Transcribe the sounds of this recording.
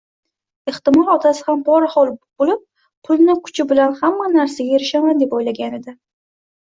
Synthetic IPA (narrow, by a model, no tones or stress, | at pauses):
ɪht̪ɪmɒlˠɒt̪ʰasɪ̥hambɒɾhɒlˠb̥olɪp̚ | pʰʊlˠnɪkʰʊ̥t͡ʃʰɪbɪlanhamːanaɾsaɡʲae̞ɾɪʃamand̪e̞pɒjlaɡʲaned̪ɪ